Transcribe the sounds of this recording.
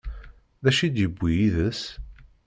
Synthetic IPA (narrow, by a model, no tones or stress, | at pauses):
ðæʃid̪jəbʷːijiðəs